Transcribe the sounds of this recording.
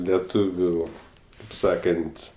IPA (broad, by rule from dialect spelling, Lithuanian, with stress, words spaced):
lʲɛˈtuːʋʲʊ kɐɪp ˈsɑːkɐnʲtʲ